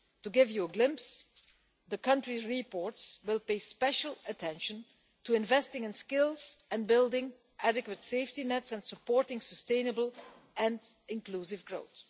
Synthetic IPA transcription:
tuɡɪvjuəɡlɪ̃mps | ðəkʰʌ̃ntɹizɹipɔɹtswɪlˠpeɪspɛʃəl̩ˠətʰɛ̃nʃə̃n | tuɪ̃nvɛstɪ̃ŋɪ̃nskɪlˠzɛ̃nbɪlˠdɪ̃ŋ | ʔædɨkwətseɪftinɛtsɛ̃nsəpɔɹtɪ̃ŋsəstẽɪ̃nəbəlˠ | ʔɛ̃nɪ̃nklusɪvɡɹoʊt̪

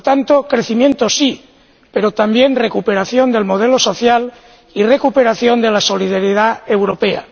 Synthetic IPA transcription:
t̪ant̪o̞kɾe̞θimjẽ̞nt̪o̞si | pe̞ɾo̞t̪ambje̞nre̞kupe̞ɾaθjo̞nd̪e̞lmo̞ðe̞lo̞so̞θjal | ire̞kupe̞ɾaθjo̞nd̪e̞laso̞lið̞aɾjeðae̞wɾo̞pea̰

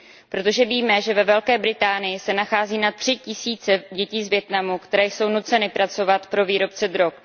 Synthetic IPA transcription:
pɾo̞t̪o̞ʒɛviːmɛʒɛvɛvɛlkɛːbɾɪt̪aːnɪjɪsɛnaxaːziːnat̪r̥ɪcɪsiːt͡sɛɟɛciːzvjɛt̪namukt̪ɛɾɛːjso̞wnut͡sɛnɪpɾat͡so̞vat̪pɾo̞viːɾo̞pt͡sɛd̪ɾo̞k̚

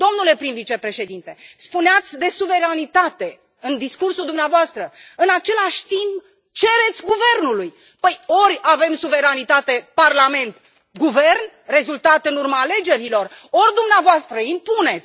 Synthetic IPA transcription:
d̪̥o̞mnule̞pɾinvit͡ʃe̞pɾe̞ʃe̞d̪int̪e̞spuneat̪sʲd̪e̞suve̞ɾanit̪at̪e̞ | ɨnd̪iskursuld̪umneavoast̪ɾəɨnat͡ʃe̞laʃʲt̪imp | t͡ʃe̞ɾe̞t̪sʲɡuve̞rnuluj | pəjo̞ɾʲave̞msuve̞ɾanit̪at̪e̞parlame̞nt̪ | ɡuve̞rn | re̞zult̪at̪ɨnurmaːle̞d͡ʒe̞ɾilo̞ro̞rʲd̪umneavoast̪ɾəimpune̞t̪s

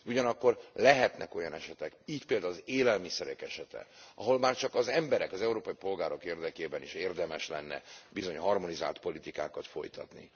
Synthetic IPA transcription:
uɟɒnɒkːo̞rlɛɦɛt̪nʔɛ̰ko̞jɒnɛʃɛt̪ɛkiːcpeːld̪aːlzeːlɛlmisɛɾɛkɛʃɛt̪ɛ̰ɒɦo̞lmaːrt͡ʃɒkɒzɛmbɛɾɛkɒzɛuɾoːpɒjipo̞lɡaːɾo̞keːrd̪ɛkeːbɛniʃeːrd̪ɛmɛʃlɛ̰nːɛ̰bizo̞ɲɦɒrmo̞niza̰ːlt̪po̞lit̪ika̰ːkɒt̪fo̞̰jt̪ɒ̰t̪nḭ

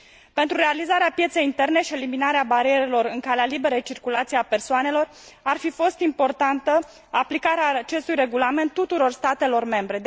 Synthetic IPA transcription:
pe̞nt̪ɾure̞alizaɾeapjet̪se̞jint̪e̞rne̞ʃie̞liminaɾeabaɾie̞ɾe̞lo̞ɾɨŋkalealibe̞ɾejt͡ʃirkulat̪sijapersoane̞lo̞r | arfifo̞st̪impo̞rt̪ant̪ə | aplikaɾeat͡ʃe̞st̪ujre̞ɡulame̞nt̪ːut̪uɾo̞rst̪at̪e̞lo̞rme̞mbɾe̞d̪

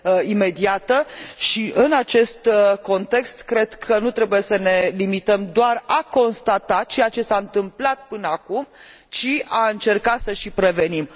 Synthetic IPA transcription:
ime̞d̪iat̪əʃiʔɨnat͡ʃe̞st̪ko̞nt̪e̞kst̪kɾe̞d̪kʰənut̪ɾebuje̞səne̞limit̪əmd̪oarako̞nst̪at̪at̪̚t͡ʃe̞jat͡ʃe̞saɨnt̪ɨmplat̪̚pɨnəakumt͡ʃiaɨnt͡ʃe̞rkat̪səʃipɾe̞ve̞nim

